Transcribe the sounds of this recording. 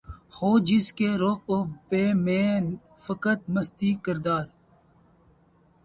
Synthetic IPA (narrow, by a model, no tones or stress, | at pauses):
xoːd͡ʒɪskeɾoqobeːmẽː | fəkət̪̚məst̪iːkəɾd̪aːɾ